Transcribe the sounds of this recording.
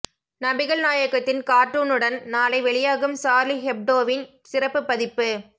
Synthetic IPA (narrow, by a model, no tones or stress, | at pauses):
nɐbɪɣɐɭnaːjɐkɐt̪ːɪnkaːʈːuːnɯɽɐnnaːlɐɪʋɛɭɪjaːɣɯmsaːɾliɦɛp̚ɖoːʋɪn | sɪrɐpːɯpːɐðɪpːɯ